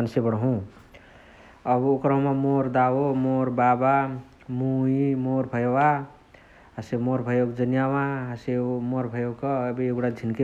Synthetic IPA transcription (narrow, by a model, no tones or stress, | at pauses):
ansebəɽɦũ | ʌbokɾʌɦũmamoɾd̪awomoɾbaba | muimoɾbʱəjwa | ɦəsemoɾbʱəjoɡd͡ʒənjawãɦəsemoɾbʱəjoɡkːbeɡɽad͡ʒʱinke